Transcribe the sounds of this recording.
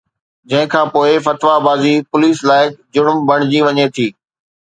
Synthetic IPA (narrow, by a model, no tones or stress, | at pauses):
d͡ʑɐ̃ɦɪ̃kʰãːpoːɪfɐt̪ʋabaːzipʊliːslaːɪkd͡ʑʊɽmbɐɽ̃d͡ʑiʋɐɲet̪ʰiː